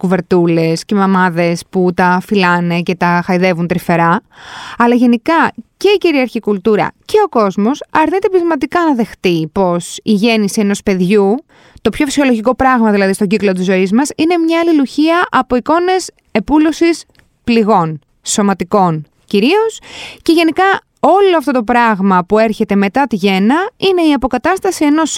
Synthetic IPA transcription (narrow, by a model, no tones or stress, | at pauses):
kuve̞ɾt̪ule̞sce̞mɐmɐðe̞sput̪ɐfilɐne̞ce̞t̪ɐxɐiðe̞vunt̪ɾife̞ɾɐɐlɐʝe̞nikɐce̞iciɾiɐɾçikult̪uɾɐ̰ce̞o̞ko̞zmo̞sɐɾnit̪e̞pɾizmɐt̪̬ikɐnɐðe̞xt̪ipo̞siʝe̞nisie̞no̞spe̞ðʝu | t̪o̞pço̞fi̥sio̞lo̞ʝiko̞pɾɐɣmɐðilɐðist̪oɲɟiklo̞t̪̬izo̞izmɐsine̞mɲɐːliluçiɐʔɐpo̞iko̞ne̞s | e̞pulo̞sis | pliɣo̞n | so̞mɐt̪iko̞n | ciɾio̞sce̞ʝe̞nikɐ | o̞lo̞ɐft̪o̞t̪o̞pɾɐɣmɐpue̞ɾçe̞t̪e̞me̞t̪ɐt̪iʝe̞nɐine̞iɐpo̞kɐt̪ɐst̪ɐsie̞no̞s